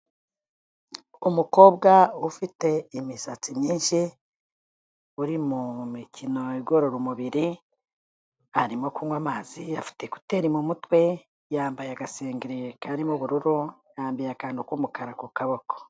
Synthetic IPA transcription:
umuko̞ːbɡaufite̞imisat͡simɲiːnʃi | uɾimumicino̞eɡo̞ɾoɾumuβiɾi | aɾimo̞kuŋwamaːziafi̥te̞ku̥te̞ːɾimumutwe̞ | jaːmbajeaɡaseːŋɡiɾekaɾimuβuɾuɾujaːmbijakaːndukumukaɾakukaβo̞ko̥

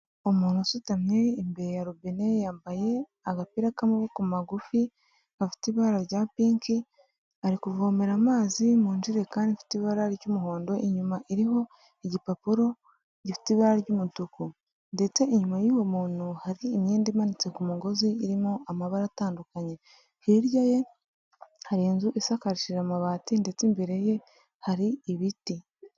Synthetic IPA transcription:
omuːnhusutamɲeːmbe̞ɾejaɾubene̞jaːmbaje̞ | aɡapiɾakamuβokumaɡufi | afi̥tiβaɾaɾɟaːpiːŋki | aɾikuvome̞ɾamaːzimuːnd͡ʒiɾe̞kaːndifi̥tiβaɾaɾɟumuɦo̞ːndo̞ʔiɲumaʔiɾiɦo̞ | iɟipapuɾo̞ | ɟifi̥tiβaɾaɾɟumutuku | nde̞t͡se̞iɲumajiːwe̞muːn̥uhaɾiːmɲeːndimanit͡se̞kumuɡo̞ziːɾimoamaβaɾataːndukaɲe̞ | hiɾɟaje̞ | haɾinzuʔisakaɾiʃiɾamaβaːtinde̞t͡simbeɾe̞je̞ | haɾiːβiti

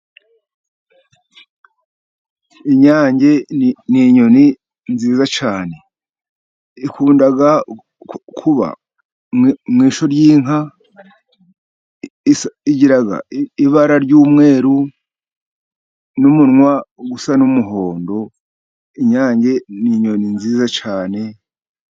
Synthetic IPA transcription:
iɲaːɲɟe̞niːɲo̞ni | nziːzat͡ʃaːne̞ | ikuːndaɡa | kʰuβa̰ | mŋiːʃoɾjiːŋ̥ɦa | isiɟiɾaɡa̰iβaɾaɾɟuːmŋe̞ːɾu | numunŋwaɡusanumuɦo̞ːndo̞ | iɲaːɲɟe̞niːɲo̞ninziːzat͡ʃaːne̞

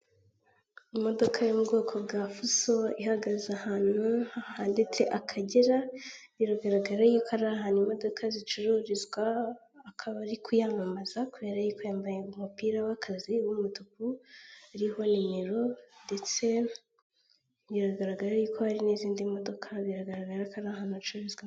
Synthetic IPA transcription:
imo̞do̞kʰajomubɡo̞ːkʰo̞bɡaːfuso̞ihaɡazahaːn̥uahaːndet͡se̞ʔakʰaɟeɾajiɾaɡaɾaɡaɾajikaɾaɦaːnimo̞do̞kʰazit͡ʃuɾuɾizɡwaː | kʰaβaɾikʰujamamazakuβe̞ɾajikujaːmbajeumupiːɾawakʰaziwumutupuaɾiho̞nimiɾo̞ndet͡se̞ | iɾaɡaɾaɡaɾajukohaɾiniziːndimo̞do̞kʰaβiɾaɡaɾaɡaɾakaɾaɦanut͡ʃuɾoɾizɡwa

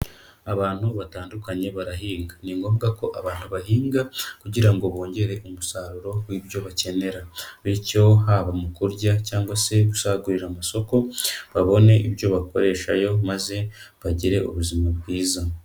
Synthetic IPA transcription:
aβaːn̥huβataːndukaɲe̞βaɾaɦiːŋɡaniŋɡo̞ːmɡako̞ʔaβaːn̥huβaɦiːŋɡakuɟiɾaŋɡo̞βo̞ːɲɟe̞ɾe̞ʔumusaɾuɾo̞wiːβjo̞βace̞ne̞ɾaβico̞ɦaβamukuɾɟacaːŋɡwase̞ɡusaɡuɾiɾamaso̞ko̞βaβo̞ne̞ʔiβjo̞βako̞ɾe̞ːʃa̰jo̞maze̞ | βaɟiɾe̞ʔuβuzimaβɡiːza

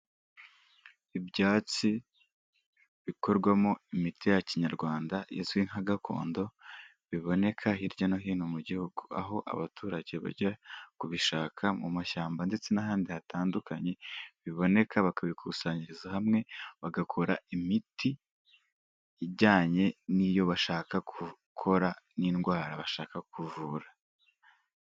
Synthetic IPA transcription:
ibjaːt͡si | βiko̞ɾɡwamo̞imitijaciɲaɾɡwaːndajezwiŋ̥haɡakʰo̞̰ːndo̞ | βiβo̞ne̞kʰaɦiɾɟanoɦiːnomuɟihuɡ̥ua̰ɦo̞ʔa̰βatʰuːɾaɟe̞βa̰ɟakuβiʃaːkʰamumaʃaːmbande̞t͡se̞naɦaːndihataːndukaɲe̞βiβo̞ne̞kʰaβakaβikʰusaːɲiɾizahamŋe̞βaɡakʰo̞ɾa̰imiti | ɟaːɲe̞nijo̞βaʃaːkakʰu | kʰo̞ɾaninɡwaːɾaβaʃaːkakuvuːɾa

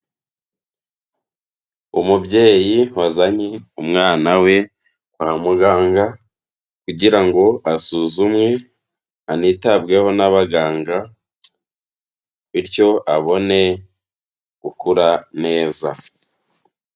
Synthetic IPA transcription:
umubɟe̞ːjiwazaɲeumŋaːnawe̞ | kwaːmuɡaːŋɡa | kuɟiɾaŋɡo̞ʔasuːzumŋe̞ | anitabɡe̞ho̞naβaɡaːŋɡa | βiɾco̞aβo̞ne̞ | ɡukuɾane̞ːza̰

